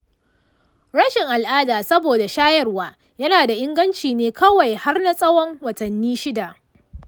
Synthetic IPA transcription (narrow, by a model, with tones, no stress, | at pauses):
ɽɐ˦ʃɪ˨ŋʔa˨lʔaː˦daː˨sɐ˦boː˨da˨ʃaː˦jɐ˦rwaː˦ | jɐ˦naː˨da˨ʔɪ˦ŋɡɐ˦nt͡ʃiː˨neː˦kɐ˦wa˨jha˦rna˦sʼɐ˦wɔ˦ŋwɐ˨tɐ˨nːiː˦ʃɪ˦da˨ʔ